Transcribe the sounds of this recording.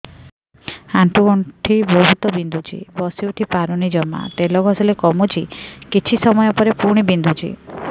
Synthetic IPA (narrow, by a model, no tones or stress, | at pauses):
aɳʈʰuɡɔɳʈʰibʱɔɦut̪ɔbind̪ʱud͡ʒḭbɔsiwʈ̪ʰipaɾɔnid͡ʒɔma̰t̪elɔɡʱɔsɔlekɔmud͡ʒikit͡ʃʰisɔmɔjɔpɔɾepuɾɽ̃ibind̪ʱud͡ʒḭ